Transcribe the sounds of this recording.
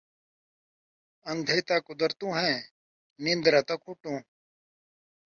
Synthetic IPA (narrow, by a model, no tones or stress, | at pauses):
ənd̪ʱeːt̪aːkʊd̪əɾt̪ũːɦɛ̃ː | nɪnd̪ɾaːt̪akʰʊʈũː